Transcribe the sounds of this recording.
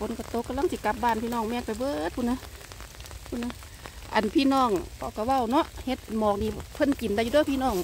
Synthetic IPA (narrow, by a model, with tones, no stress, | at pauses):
pʰo˧˦nka˧˩t̪o˧˦kːa˧˨mla˧˨ŋsi˧˦ka˧˥p̚baː˧˩˨npʰiː˧˨nɔː˧˩ŋmɛː˧˩k̚pa˨jbɤː˧t̪̚pʰu˧˨na˧ | pʰu˧˨na˧ | ʔa̰˨npʰiː˧˥˨nɔː˧˩˨ŋkʰɔ˧˩ka˧˩wa˧˩˨wnɔ˧˥ʔhe˧˦t̪̚mɔː˨˩k̚niː˧˩pʰɤ˧˥˨nki˨˩nda˧˨u˧do˧˥˨jpʰi˧˨nɔː˧˩˨ŋ